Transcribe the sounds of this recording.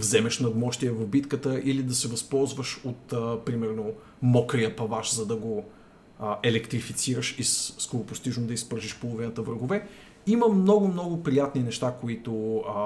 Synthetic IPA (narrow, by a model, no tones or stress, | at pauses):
vzɛmɛʃnɐd̪mɔʃt̪iɛvɐvbit̪kət̪əʔilid̪ɐsɛvɐspɔlˠzvəʃot̪pɾimɛɾno | mɔkɾiəpɐvaʃzɐd̪ɐɡo | ʔɛlɛkt̪ɾifit̪siɾəʃisskoɾʊpost̪iʒnod̪ɐispɤɾʒiʃpolˠovinət̪əvɾəɡovɛ | iməmnɔɡʊmnɔɡʊpɾijat̪ninɛʃt̪akoit̪ʊ